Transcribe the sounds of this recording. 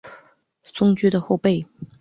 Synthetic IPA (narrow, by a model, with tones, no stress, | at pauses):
sʊ˥ŋt͡ɕy˥d̪ə˨xo˥˧ʊpe˥˩ɪ